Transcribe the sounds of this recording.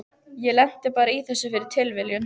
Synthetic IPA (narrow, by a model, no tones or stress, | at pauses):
jɛlɛn̥t̪ɪpaːɾaiθɛsːʏfɪɾɪɾ̥t̪ʰɪlvɪljʏn